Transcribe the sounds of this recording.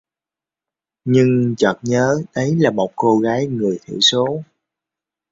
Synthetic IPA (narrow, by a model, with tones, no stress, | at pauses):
ɲɨ˧ŋt͡ɕɔː˨˩t̚ɲəː˨˦ɗə˨˦jlaː˨˩mo˨˩t̚ko˧ɣaː˨˦jŋɨ˨˩əjt̪ʰḭ˧˩˦so˨˦